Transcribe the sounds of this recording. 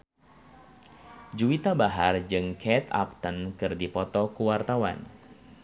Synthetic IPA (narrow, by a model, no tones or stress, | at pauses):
d͡ʒuit̪abaɦard͡ʒɨŋkʰɛt̪a̰p̚t̪ənkɨrdipɔt̪ɔkuwart̪awa̰n